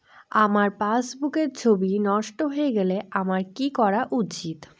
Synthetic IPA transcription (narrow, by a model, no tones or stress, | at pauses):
amaɾpasbukeɾt͡ɕʰobinɔʃʈoɦoeɡeleamaɾkikɔɾaʔut͡ɕit̪